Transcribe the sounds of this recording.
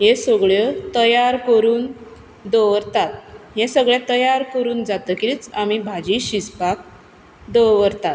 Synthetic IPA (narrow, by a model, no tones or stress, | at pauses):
ɦẽsəɡɭjət̪əjaɾkəɾuːn | d̪oʋəɾt̪at̪̚ɦẽsəɡɭjat̪əjaɾkəɾuːnd͡zat̪əːkiɾit͡samibʱad͡ʑiɕispak̚ | d̪oʋəɾt̪at̪